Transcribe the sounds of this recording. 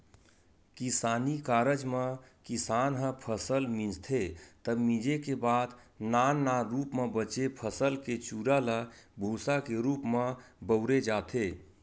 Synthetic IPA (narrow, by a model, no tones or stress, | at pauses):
kisanikaɾəd͡ʒmekisanɦə̃pʰəsəlmĩd͡ʒt̪ʰet̪əbmĩd͡ʒekebad̪nanːaɾupmebət͡ʃepʰəsəlket͡ʃuɾaləbʱosakeɾupmebəʊɾed͡ʒat̪ʰe